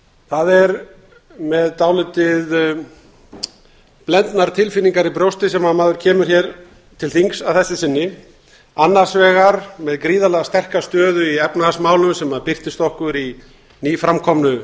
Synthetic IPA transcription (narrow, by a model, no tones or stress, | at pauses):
θaðɛɾ | mɛðt̪aːwlʏt̪ɪð | plɛnt̪naɾ̥t̪ʰɪlfɪnːiŋkaɾipɾjowst̪ɪsɛmhaðmaːðʏɾ̥cʰɛːmʏɾ̥çɛɾ | t̪ʰɪlθiŋsavθɛsɪsɪnːɪ | anːḁsvɛːɣaɾmɛðkɾiːðalɛɣast̪ɛr̥kast̪œːðʏiɛpnahasmaːwlʏmsɛmaðpɪr̥t̪ɪst̪ɔhkʏɾi | niːfɾamkʰɔmnʏ